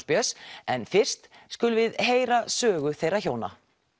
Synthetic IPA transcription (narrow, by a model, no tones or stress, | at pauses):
spjœsɛnfɪr̥st̪skʏːlʏvɪðɦeːjɾasœːɣʏθejɾaçoːwna̰